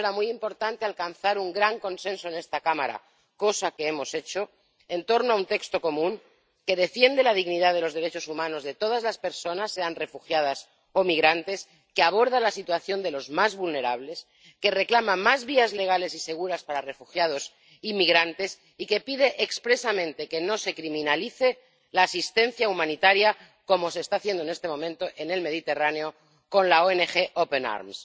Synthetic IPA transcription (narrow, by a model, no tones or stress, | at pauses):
amujimpo̞ɾt̪ant̪ealtkanθaɾuŋɡɾaŋko̞nsẽ̞nsoene̞st̪akama̰ɾa̰ | ko̞sake̞emo̞se̞t͡ʃo̞ | ent̪o̞ɾnoaunt̪e̞kst̪o̞ko̞mũŋ | ke̞ð̞e̞fje̞nd̪e̞laðiɣniðaðe̞lo̞zðeɾe̞t͡ʃo̞sumãno̞zðe̞t̪o̞ð̞azlaspe̞ɾso̞nasːeanre̞fuxjað̞as | o̞miɣɾant̪e̞s | keaβ̞o̞ɾð̞alasit̪waθjo̞nd̪e̞lo̞zmazβulne̞ɾaβ̞le̞s | ke̞re̞klamamazβiazle̞ɣ̞ale̞sise̞ɣ̞uɾaspaɾare̞fuxjað̞o̞s | imiɣɾant̪e̞s | ike̞piðe̞ʔːkspɾe̞samẽ̞nt̪e̞keno̞se̞kɾimĩnaliθe | laːsist̪ẽ̞nθjaumãnit̪aɾja | ko̞mo̞se̞ːst̪aːθje̞nd̪oene̞st̪e̞mõ̞mẽnt̪o̞ʔe̞ne̞lme̞ð̞it̪e̞raneo̞ | ko̞nlaoenexe̞ʔopena̰ɾms